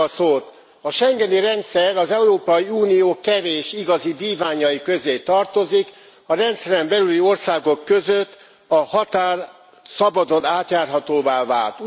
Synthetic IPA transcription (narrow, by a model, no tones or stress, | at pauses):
soːt̪ | ɒʃɛŋɡɛniɾɛnt̪sɛɾɒzɛuɾoːpɒjiuːnijoːkɛveːʃiɡɒzidiːvaːɲɒjikø̞zeːt̪ɒrt̪o̞zik | ɒɾɛnt̪sɛɾɛmbɛlylio̞rsaːɡo̞kːø̞zøt̪ː | ɒhɒt̪aːr | sɒbɒd̪o̞naːt̪jaːrɦɒt̪oːvaːva̰ːlt̪